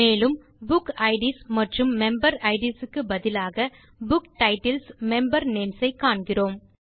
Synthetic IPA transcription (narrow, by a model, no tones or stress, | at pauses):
eːlɯm | bʊkɐɪɖismɐʈrɯmːɛmbɐɾɐɪɖisɯkːɯbɐðɪlaːɣɐ | bʊkʈɐɪʈɪlsmɛmbɐɾneːmsɐɪkːaːɳɡɪroːm